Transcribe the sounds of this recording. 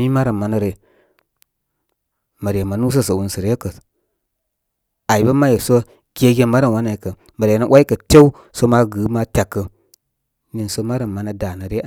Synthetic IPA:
i˦ma˦ɾə˨mma˨nə˦ɾe˨ | mə˨ɾe˨ma˨nu˦s̬ə˦sə˨wu˨nsə˨ɾjkə˨ | a˨i˨bə˦ma˦je˨so˦ | ɡ̥ʲe˦ɡʲe˦ma˦ɾa˨wa˦na˨i˨kə˨ | mə˨ɾnə˦wʔa˦i˦kə˨te˦u˦ | so˦ma˦ɡɨ˨˦ma˦tʲa˨kːə˨ | ni˨nso˦ma˦ɾa˨mma˨˦na˦da˨nə˨ɾe˦˨

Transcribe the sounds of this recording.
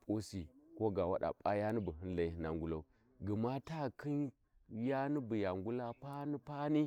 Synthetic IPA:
po˦si˨ko˦ɡa˨wa̰˦ɗa̰˨pʼa˦ja˦ni˦bu˨ɦi˦n˦la˨˦hi˨na˨ŋɡu˦la˦u˦ | ɡi˨ma˦ta˦˨kʰi˦n | ja˦ni˦bi˨ja˨ŋɡu˦la˦pa˦ni˦pa˦ni˦

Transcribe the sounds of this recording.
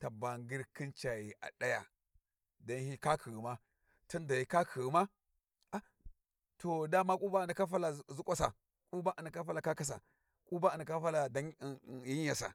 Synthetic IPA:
ta˨ba˨ŋɡi˦ɾki˦nt͡ʃa˨ji˨ʔa̰˨ɗa˦ja̰˨ | da˦nhi˦ka˦kʰi˨ɣi˨ma˦ | tu˦nda˨ji˨ka˦kʰi˨ɣi˨ma˦ | a˦ | to˨da˦ma˦kʼu˦ba˦a˨nda˨ka˦fa˦la˨˦zu˦kʷʼa˦sa̰˨ | kʼu˦ba˦ʔa˨nda˨ka˦fa˦la˨ka˦ka˦s̬a̰˨ | kʼu˦ba˦a˨ndka˦fa˦la˨da˦˨ji˦ɲ˦ja˨sa̰˨

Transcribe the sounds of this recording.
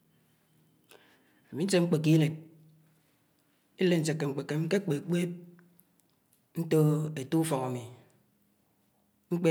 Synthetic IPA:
a˨mi˨˦n̩˦t͡ʃe˦ŋ͡m̩˦k͡pe˨k̬i˦le˨t̚ | e˦le˦˨n̩˨se˨kːe˨ŋ͡m̩˨k͡pe˨kːe˨˦ke˦k͡pe˨k͡pe˦p̚ | n̩˦to˦e˨tu˦u˦fɔ˨ŋa˨mi˨ | ŋ͡m̩˦k͡pe˦

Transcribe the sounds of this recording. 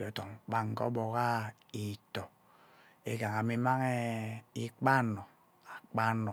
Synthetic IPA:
ɔ˨tɔ˨ŋk͡pa˦ŋ̩˨kɔ̰˦bɔ˨ka˦ | i˨tɔ˨ | e˨ɡa˨ŋa˨mi˦ma˦ŋɛ˦i˦k͡pa˦nɔ˨ | a˨k͡pa˦nɔ˨

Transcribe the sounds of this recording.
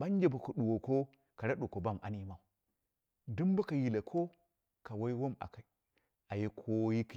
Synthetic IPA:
ɓa˦n˦d͡ʒe˨ba˨ku˨ɗu˨wo˨ko˦ | ka˨ɾa˦ɗu˨ko˨ba˦ma̰˨ni˦ma˨u˨ | du˦mba˦ka˨ji˨la˨kʰo˦ | ka˨wa˦i˦wo˦ma̰˨ka˨i˨ | a˨je˦kʰo˦ji˦ki˨

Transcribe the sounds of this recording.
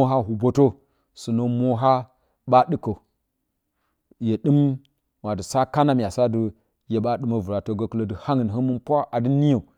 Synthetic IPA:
o˦ɦa˦ɦu˨bo˦to˦ | sɨ˨no˦mo˦ɦa˦ | ɓa˦ɗɨ˦ko˨ | je˨ɗɨ˦m | wa˨dɨ˨sa˦ka˦na˦mʲ˨a˨sa˦dɨ˦ | je˨ɓa˦ɗɨ˦ma˦vu˨ɾa˨to˨ɡo˦ku˦lo˨dɨ˨ha˦ŋɨ˨nɦə˦mu˦npʷa˦a˨dɨ˦ni˦jo˨

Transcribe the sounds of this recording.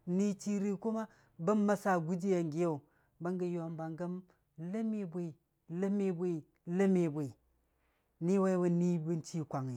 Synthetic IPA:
ni˦t͡ʃi˦ɾi˨ku˦ma˦ | bɐ˦mːa˦sa˨ɡu˦d͡ʒi˦ja˨ŋɡi˦ja˦˨ | ba˦ŋɡə˨ja˨mba˨ŋɡɐ˦m | la˦me˦bʷe˨i˨ | lə˦me˦bʷe˦i˨ | lə˦me˨bʷe˨ | ni˦wa˦wa˦ni˦bi˦nt͡ʃi˦kʷa˨ŋi˨

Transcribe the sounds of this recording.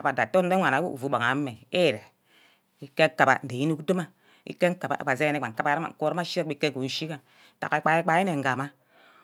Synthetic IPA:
a˨ba˨da˨to˦n̩˦e˦ŋʷa˨na˨˦ṵ˦˨vu˨ɓa˨ŋa˨˦me˨e˦˨ɾe˨ | i˦kːe˦ŋ˦ka˨ba̰˨n̩˨de˨ji˦nu˦kdo˦ma˦ | ḭ˦kːe˦ŋ˦ka˨ba̰˨ʔba˨ze˦ne˦a˨ŋ̩˨ka˦ba˦ɾa˦ma̰˨ŋ̩˨ko˦˨ɾma˦ʃe˦i˦kːe˦ku˨n̩˦ʃi˦ka˨ | ta̰˨a˨i˦k͡pa˨i˦k͡pa˦i˦ne˨ŋ̩˨ɡa˨ma˦

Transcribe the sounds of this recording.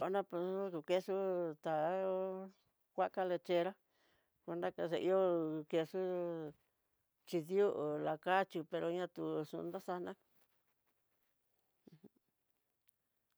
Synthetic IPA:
a˧˦nã˦po˧˦ku˧ke˦ʂu˦t̪a˨o˦ | kʷa˦ka˦le˧t͡ʃe˧ɾa˦ | ku˧nd̪a˦ka˧ʂe˧ʔi˦o˦˧ke˧ʂu˦ | t͡ʃi˧ðu˦ʔla˨ka˦t͡ʃi˧pe˧ɾo˧ɲã˧t̪u˧ʂṵ̃˧nd̪a˦sa˧nã˦˧

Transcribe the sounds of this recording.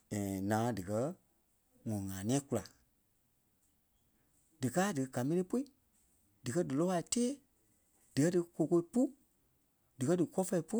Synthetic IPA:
ɛ̃˨nãː˨˦dɨ˨kɜ˧˦ | ŋɔ̃˨ŋãː˨nĩ˧ɛ̃˦ku˧la˨ | d̥ɨ˨kaː˦dɨ˨˧ɡa˨mẽ˧le˦po˦i˨ | d̥ɨ˨kɜ˦dɨ˨lɔ˦a˧i˨teː˦ | d̥ɨ˨kɜ˦dɨ˧ko˧˨ko˧i˦pu˦ | d̥ɨ˨kɜ˦dɨ˨kɔ˦fɛ˧i˨pu˦

